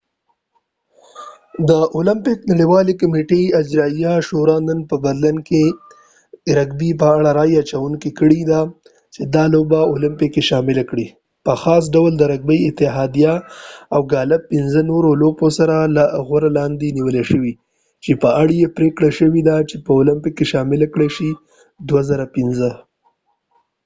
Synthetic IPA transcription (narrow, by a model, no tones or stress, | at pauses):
d̪əʔolampɪknaɽiwɑlekameʈead͡ʒɾɑijaʃoɾɑnənpəbaɾlinke | ɾaɡbip̬əaɽaɾɑjat͡ʃawuŋkikəɽid̪a | t͡ʃed̪ɑlobaolɪmpɪkːeʃɑmɪlakɽi | pəxɑs̬ɖawld̪əɾaɡ̚bəjɪt̪ɪɦɑd̪ijaawɡɑlapːɪnzənoɾoloposaɾalaɣwaɾalɑnd̪eniwəleʃəwi | t͡ʃepəaɽjepɾekɽaʃəwid̪at͡ʃepəʊlɪmpikːeʃɑmɪlakɽeʃi | d̪wazaɾapinzə